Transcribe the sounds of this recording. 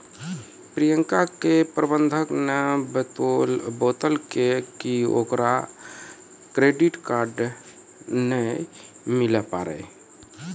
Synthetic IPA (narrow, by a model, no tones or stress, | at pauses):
pɾijəŋkakepɾəbənd̪ʱəknəbət̪olbot̪əlkekio̰kɾa | kɾeɖiʈkaɾɖ | nə | miləpaɾɛ̰